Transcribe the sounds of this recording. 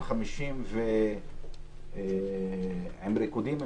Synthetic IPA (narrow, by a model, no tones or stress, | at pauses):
χamiʃimve | hemɾikud̪im